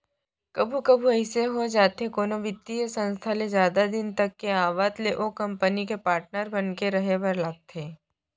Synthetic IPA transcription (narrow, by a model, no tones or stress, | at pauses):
kɐbʱukɐbʱuɐɪseɦod͡ʒaːt̪ɦekoːnoʋɪt̪ːijəsɐ̃nst̪ʰalezjaːd̪ad̪ɪnt̪ɐkːeaːʋaːt̪leʔokɐ̃mpənikepaːɾʈ̚nəɾbɐnkeɾɐɦebɐɾlaːt̪ʰeː